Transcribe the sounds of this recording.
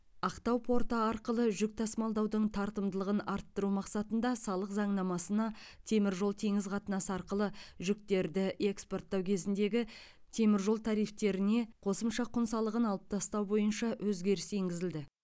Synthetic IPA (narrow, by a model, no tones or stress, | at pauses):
ɑqt̪ɑwpʰo̞ɾt̪əɑɾqəlˠəʒʏk̚t̪ʰɑsmɑlˠd̪ɑwd̪əɴt̪ʰɑɾt̪əmd̪əlˠəʁənɑɾt̪ːəɾumɑqsɑt̪ənd̪ɑsɑlˠəqzɑɴnɑmɑsənɑ | t̪ʰe̞mɪɾʒo̞lˠt̪ʰe̞ŋɪzqʰɑt̪ənɑsəɑɾqəlˠəʒʏk̚t̪e̞ɾd̪ɪʔe̞kspo̞rt̪ːɑwkʲʰe̞zɪnd̪e̞ɡʲɪ | t̪ʰe̞mɪɾʒo̞lˠt̪ʰɑɾijft̪e̞ɾɪne̞qʰo̞səmʃɑqʰʊnsɑlˠəʁənɑlˠəp̚t̪ʰɑst̪ɑwbo̞jənʃɑwʔɵzɡʲe̞ɾɪse̞ŋɡʲɪzɪld̪ɪ